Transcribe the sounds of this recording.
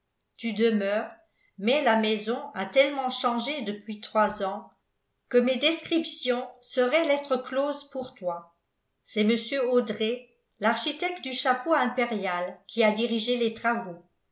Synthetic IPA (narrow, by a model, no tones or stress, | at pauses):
t̪yd̪əmœːʁ | mɛlamɛzɔ̃at̪ɛlmɑ̃ʃɑ̃ʒed̪əpɥit̪χwazɑ̃ | kəmed̪ɛskχipsjɔ̃səʁɛlɛt̪χəkloːzpuʁt̪wa | sɛməsjøod̪ʁe | laʁʃit̪ɛk̚t̪̚d̪yʃapoɛ̃peʁjalkʲʰiad̪iʁiʒelet̪χavo